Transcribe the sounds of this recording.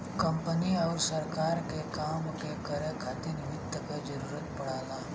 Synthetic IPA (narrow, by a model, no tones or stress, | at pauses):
kɐ̃mpəniɔːɾsəɾkaːɾkekaːmkekɐɾẽkʰaːt̪enɪmɪd̪əkad͡ʒəɾuːɾət̪pɐɽaːlaː